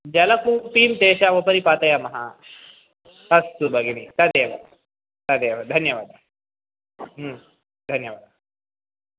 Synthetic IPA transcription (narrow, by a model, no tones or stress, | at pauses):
d͡ʒɐlɐkuːpiːmt̪eːʃaʋopɐɾipaːt̪ɐjɐmɐɦɐ | ɐst̪ubʱɐɡinit̪ɐd̪eːʋɐ̰ | t̪ɐd̪eːʋɐd̪ʱɐnjɐʋaːd̪ɐ | d̪ʱɐnjɐʋaːd̪ɐ